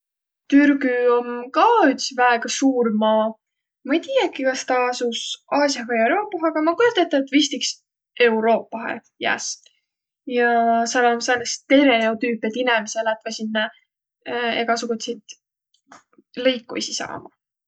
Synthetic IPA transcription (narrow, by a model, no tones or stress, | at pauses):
t̪yrɡyomkɑːyt̪svæeɡ̥ɑsuːɾmɑː | mɑejt̪iːjɑkːikɑst̪ɑːsusʔɑːsjɑhɑeɾoːpːˑɑɦɑɡ̥ɑmɑkot̪et̪ːˑɑt̪vist̪iks | e̞wɾo̞ːpːˑɑɦḛ | jæ̰s | jɑselomselːest̪e̞ɾeot̪yːpet̪inemeselæt̪ːvɑsʲinːɑ | ekɑɑsukut̪set̪ | lɤjkːṵsʲisɑ̰ːmɑ